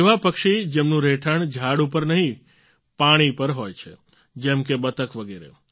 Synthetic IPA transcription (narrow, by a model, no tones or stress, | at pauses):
eʋapəkʃid͡ʒɛmnũɾeʈʰəɳd͡ʒʱaɽupəɾnəɦĩ | paɽ̃ipəɾɦojt͡ʃʰḛ | d͡ʒɛmkebət̪əkʋəɡeɾḛ